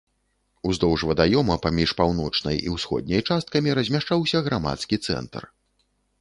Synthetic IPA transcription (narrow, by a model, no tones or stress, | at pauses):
uzd̪ɔwʐvɐd̪ajɔmɐpamʲiʂpawn̪ɔt͡ʂnɐ̰jḭwsxɔ̰d̪̚nʲɐjt͡ʂast̪̚kɐmʲiɾɐzʲmʲaʂt͡ʂawsʲɐɣɾama̰t̪skʲit̪sɛ̰nt̪ɐ̰r